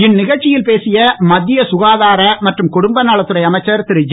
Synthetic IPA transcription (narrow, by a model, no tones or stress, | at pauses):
ɪnnɪɣɐɻt͡ʃːɪjɪlpeːsɪjɐmɐd̪ːɪjɐsʊɣaːðaːɾɐmɐʈrɯmkʊɽʊmbɐnaːɭɐt̪ːɯrɐjɐmɐɪt͡ʃːɐɾt̪ɪɾɯd͡ʒ